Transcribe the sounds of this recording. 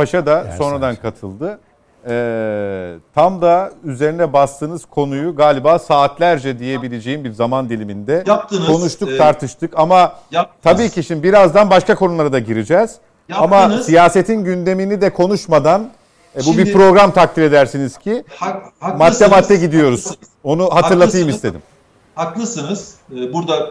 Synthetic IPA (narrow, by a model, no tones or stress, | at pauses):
paʃad̪aso̞nɾad̪ankʰat̪ʰɯ̰lˠd̪ɯ | ɛː | t̪ʰamd̪ayze̞ɾinɛbast̪ʰɯːnɯz̥kʰo̞nujuɡaːlʲibaːsaːt̪ʰlʲæɾd͡ʒɛd̪ije̞bilʲed͡ʒe̞jimbiɾzamand̪ilʲimind̪ɛkʰo̞nuʃt̪ʰuk̚t̪ʰaɾt̪ʰɯʃt̪ʰɯkamat̪ʰabiːcʰiʃimbiɾazd̪anbaʃkakʰo̞nulˠaɾad̪aɟiɾid͡ʒɛːz̥ | amasijaːse̞t̪ʰinɟynd̪e̞minid̪ɛkʰo̞nuʃmad̪an | bubipɾo̞ɡɾamt̪ʰak̚t̪ʰʲiɾe̞d̪æɾsiniz̥cʰi | maːɛmat̪ʰːɛɟid̪ijo̞ɾuz̥ | o̞nuɦat̪ɯɾlˠat̪jɯmisst̪ʰe̞d̪ḭm | haklˠɯsɯnz | buɾd̪a